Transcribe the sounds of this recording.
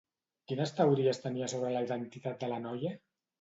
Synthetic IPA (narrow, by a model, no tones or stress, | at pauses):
kinəst̪əwɾiəst̪əniəsoβ̞ɾələiðənt̪it̪at̪̚d̪əlɐnɔjə